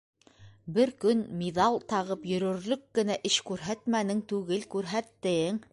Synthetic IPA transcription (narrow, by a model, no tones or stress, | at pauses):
bɘɾkɵnmiðɑlˠt̪ɑʁɤpjɵ̆ɾɵ̆ɾlɵkːɡɘ̆næʔɘʃkʉɾɦæt̪mænɘŋt̪ʉɣɘlkʉɾɦæt̪ːɘŋ